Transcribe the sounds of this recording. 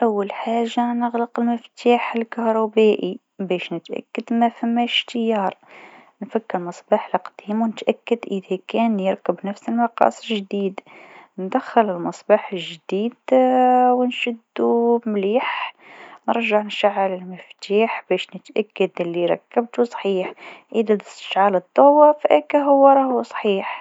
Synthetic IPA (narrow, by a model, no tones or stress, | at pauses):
ʔawːalħaːʒːanəɣləqəlməft̪aːħəlkɑhɾˤubæːʔi | bæːʃnət̪ʔæ̰kːad̪mæfæmːæʃt̪əjɑːɾˤ | nfakːəɾmɑsˤbɑːħlqd̪̥iːmwnət̪ʔækːad̪ʔəðækæːnjəɾkəbnæfsəlmɑqɑ̰ːsˤʒd̪iːd̪nd̪æxːɪlɪlmɑsˤbɑħəlʒd̪iːd̪ | wnʃɪd̪ːumliːħ | nəɾˤʒaʕnʃaʕːalɪlmɪft̪aːħbæːʃnət̪ʔækːad̪ɪlːiɾˤɑ̰kːab̚t̪usˤħiːħʔid̪ænɪst̪ə̥ʃʕaːləd̪ˤːɑwafʔækæɦʊwːɾˤɑhwsˤħiːħ